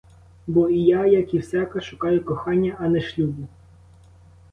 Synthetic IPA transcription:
bɔijajɐkiwsʲakɐʃʊkɑjʊkɔxɑnʲːɐʔɐnɛʃlʲubʊ

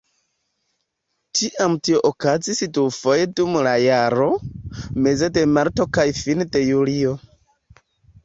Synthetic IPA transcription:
tiʔamtio̞ʔokazisitufojdumlajaɾo̞me̞ze̞de̞maɾto̞kajfinde̞julio

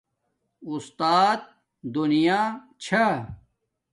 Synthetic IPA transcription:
ust̪aːt̪̚ | d̪unijaː | t͡ɕʰɐ

